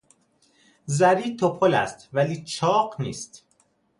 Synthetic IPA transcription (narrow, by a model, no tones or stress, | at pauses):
zæɾiːt̪ʰopʰolæ̰st̪væliːt͡ʃʰɒːɢniːst̪